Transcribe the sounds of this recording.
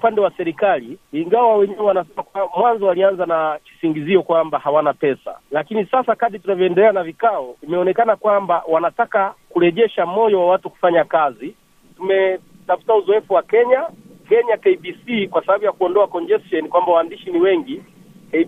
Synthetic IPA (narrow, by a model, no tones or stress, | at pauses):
upandɛwasɛɾikaliːŋɡawawɛɲɛwɛwanasɛmakmwanzɔalianzanat͡ʃi̥siŋɡiziɔkwambahawanapɛsa̰lakinisasakaɗitunavjɔɛndɛlɛanavikaɔimɛɔnɛkanakwambawanatakakuɾɛʄɛʃamɔjɔwawatuku̥faɲakazi | tumɛ | tafu̥tauzɔɛfuwakɛɲakɛɲakɛibisikwasabaɓujakuɔndɔakɔɲd͡ʒɛstɔnikwambawaːndiʃiniwɛŋɡi | k